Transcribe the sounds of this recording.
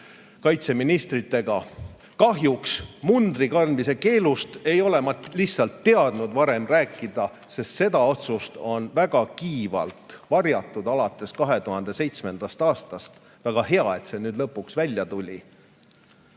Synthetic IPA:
kɑjt̪se̞minist̪rit̪ːe̞ɡ̥ɑ | kɑɦjuksmund̪rikɑrnmise̞ke̞ːlust̪e̞jo̞le̞mɑt̪liçsːɑlt̪ːe̞ɑd̪̥nud̪vɑɾe̞mræːkːˑid̪̥ɑ | se̞st̪se̞d̪ɑo̞t̪sust̪o̞nvæɡ̥ɑkiːvɑ̰lt̪vɑrjɑt̪ˑːud̪ɑlɑt̪ːˑe̞skɑɦe̞t̪uhɑnd̪̥e̞sejt̪sme̞nd̪̥ɑst̪ɑːst̪ɑst̪ | væɡ̥ɑhe̞ɑe̞t̪se̞nyːd̪lɤpːˑuksvælʲjɑt̪ulʲḭ

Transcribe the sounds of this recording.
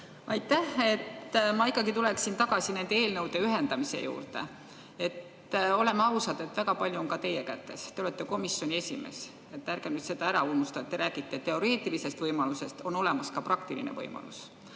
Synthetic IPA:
ɑjt̪ːˑæhe̞t̪ːmɑikːˑɑɡit̪uleksint̪ɑɡ̥ɑsine̞nd̪̥eeːlnɤwd̪̥e̞yɦend̪ɑmise̞̰jṵːrt̪e̞̰ | e̞t̪ː | o̞le̞mːɑwsɑd̪̥e̞t̪ːˑvæɡ̥ɑpɑlʲjuonkɑt̪e̞jekæt̪ːe̞̰st̪e̞o̞le̞t̪ːˑeko̞misjo̞nʲie̞sʲime̞̰s | e̞t̪ːærɡ̥enyt̪se̞d̪ɑæɾɑulmust̪ɑet̪ːeɾæːɡ̥it̪ːe̞t̪ːe̞o̞ɾe̞ːt̪ːˑilise̞st̪vɤjmɑluse̞st̪o̞no̞le̞mɑskɑpɾrɑkt̪ilḭnḛvɤ̰jmɑ̰lṵs

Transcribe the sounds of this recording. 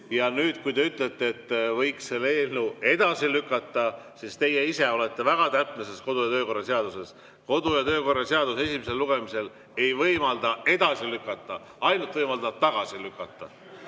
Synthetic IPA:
jɑnyːd̪̥kujt̪e̞yt̪ˑlet̪ːˑeːt̪ːvɤjksselːeeːlnue̞d̪̥ɑsilykːˑɑt̪ˑːɑsist̪e̞jeise̞o̞le̞t̪ːe̞væɡ̥ɑt̪æpˑnese̞sko̞d̪ujɑt̪ø̞ːko̞rːɑseɑd̪use̞s | ko̞d̪̥ujɑt̪ø̞ːko̞rːɑse̞ɑd̪̥use̞simise̞lːuɡ̥e̞mise̞l | e̞jvɤjmɑld̪̥ɑe̞d̪ɑsilykːˑɑt̪ːˑɑ | ɑjnult̪vɤjmɑld̪ɑt̪ɑɡ̥ɑsilykːˑɑt̪ːˑɑ

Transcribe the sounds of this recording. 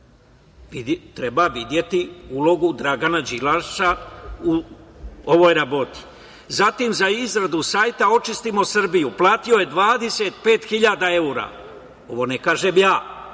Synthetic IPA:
it̪ɾe̞baʋid̪je̞t̪iuːlo̞ɡud̪ɾaɡanad͡ʒilaʃau | oʋo̞jɾabo̞t̪i̥ | zat̪imzaizɾad̪usaːjt̪ao̞t͡ʃist̪imo̞sr̩bijuplˠaːt̪io̞je̞d̪ʋaːd̪e̞set̪̚pe̞ːt̪xiʎad̪ae̞uɾa̰ː | o̞ʋo̞nekaːʒe̞mjaː

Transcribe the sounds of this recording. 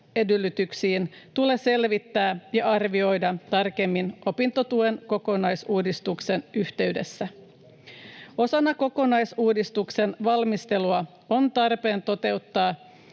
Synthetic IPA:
e̞dylːyt̪yksiːnt̪ule̞se̞lʋit̪ːæːjɑʔɑrʋio̞jdɑt̪ɑrke̞mːinʔo̞pint̪ot̪uenko̞ko̞nɑjsuːdist̪ukse̞nyht̪e̞ɥde̞̰sːæ | o̞sɑnːɑko̞ko̞nɑjsuːdist̪ukse̞nʋɑlmist̪e̞luɑ | o̞nt̪ɑrpe̞ːnt̪o̞t̪e̞ut̪ːɑː

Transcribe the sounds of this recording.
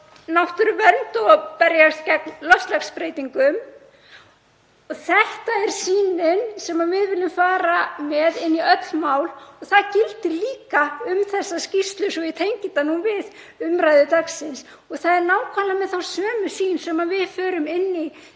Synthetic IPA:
nawht̪ʏɾvœɾmt̪ɔɣpɛɾjast̪cɛknlœfst̪lakspɾeːjt̪iŋkʏm | ɔθɛht̪aɛɾ̥siːnɪnsɛmavɪðvɪlːʏmfaːɾamɛðɪnːiœt̪lmaːwlɔɣθaðcɪlt̪ɪɾliːkaʏmθɛsːascist̪lʏsɔvɪðt̪ʰejɲcɪt̪anuːvɪð | ʏmɾaːjðʏt̪aksɪns | ɔɣθaðɛɾnaːwkʰalamɛðθawsœːmʏsiːnsɛmavɪðfœːɾʏmɪnːɪ

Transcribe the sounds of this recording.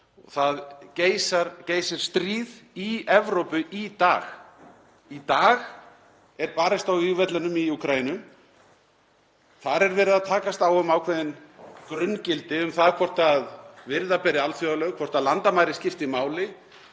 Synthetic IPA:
ɔ̰ɣθaðceːjsaɾceːjsɪɾ̥st̪ɾiːðiɛvɾowpʏʔit̪aːɣ | it̪aːɣ | ɛɾpaːɾɪst̪awiɣvɛt̪lɛnʏmiukʰɾajinʏ | θaɾɛɾvɛːɾɪðaðt̪ʰaːkast̪awʏmawkʰvɛðɪnkɾʏncɪlt̪ɪʏmθakʰvɔr̥t̪aðvɪɾðapɛːɾɪalθjowðalœɣkʰvɔr̥t̪aðlant̪amaːjɾɪscɪft̪imaːwlɪ

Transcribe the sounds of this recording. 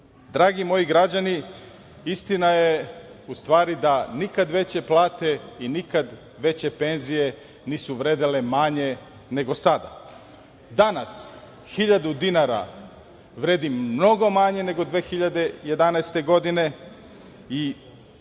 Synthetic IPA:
d̪ɾaːɡimo̞jiɡɾad͡ʑani | ist̪inajeust̪ʋaːɾid̪anikad̪ʋe̞t͡ɕe̞plˠaːt̪e̞inikad̪ | ʋe̞t͡ɕe̞pe̞nzije̞ | niːsuʋɾeːd̪ilemaɲe̞ | ne̞ɡo̞sad̪a̰ | d̪anas | xiʎad̪ud̪inaɾa̰ | ʋɾe̞d̪imno̞ɡo̞maɲe̞ne̞ɡo̞d̪ʋe̞ːxiʎad̪e̞je̞d̪anajst̪e̞ɡo̞d̪ine̞ | i

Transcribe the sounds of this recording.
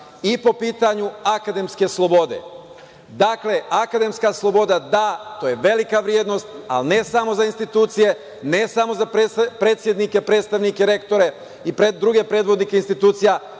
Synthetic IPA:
ipo̞piːt̪aɲuakad̪e̞mske̞slˠo̞bo̞d̪e̞̰ | d̪aːkle̞ʔakad̪e̞mskaslˠo̞bo̞d̪ad̪at̪o̞ːje̞ʋe̞likaʋɾjed̪no̞st̪a̰lne̞samo̞zainst̪it̪uːt̪sije̞ | ne̞samo̞zapɾespɾe̞ːt̪sʲjed̪nike̞pɾet̪st̪aʋnike̞ɾe̞kt̪o̞ɾe̞ | ipɾed̪ɾuɡe̞pɾe̞ːd̪ʋo̞d̪nike̞inst̪it̪uːt̪sija

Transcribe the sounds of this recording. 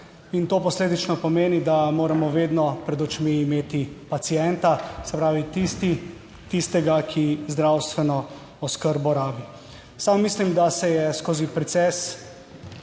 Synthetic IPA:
int̪oːpɔsleːd̪it͡ʃnɔpɔmeːnid̪amoːɾamɔʋeːd̪nɔpɾɛd̪ɔt͡ʃmiːmeːt̪ipat̪sijɛnt̪asɛpɾaːʋit̪ist̪i | t̪ist̪ɛɡakʰizd̪ɾawst̪ʋɛnɔ | ɔskəɾbɔɾaːbi | saːmːislimd̪asɛjɛskoːzipɾɛt̪sɛs

